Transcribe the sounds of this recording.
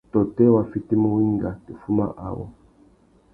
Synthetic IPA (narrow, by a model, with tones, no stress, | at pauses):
tɔ˨tɛ˦wa˨fi˦ti˦mu˦wi˦ŋ˦ɡa˨ti˨fu˦ma̰˦ʔa̰˨wɔ̰˨